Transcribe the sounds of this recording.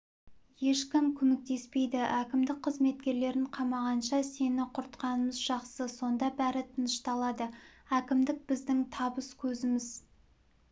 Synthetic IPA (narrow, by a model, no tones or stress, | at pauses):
je̞ʃkʲɪmkʲʰɵmek̚t̪e̞spe̞jd̪ɪʔækʲɪmd̪ɪk̚qʰəzme̞t̪̚kʲe̞ɾle̞ɾɪɴqʰɑmɑʁɑnʃɑse̞nɪqʰʊɾt̪qɑnəməzʒɑqsəso̞nd̪ɑbæɾɪt̪ʰənəʃt̪ɑlˠɑd̪əækʲɪmd̪ɪk̚b̥ɪzd̪ɪŋt̪ʰɑbəskʲʰɵzɪmɪz